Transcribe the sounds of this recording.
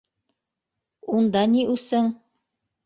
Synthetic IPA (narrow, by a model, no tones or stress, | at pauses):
und̪ɑniʔʉsɘŋ